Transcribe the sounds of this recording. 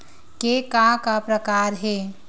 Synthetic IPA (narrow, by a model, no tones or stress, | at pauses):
kekãkapɾəkaɾɦe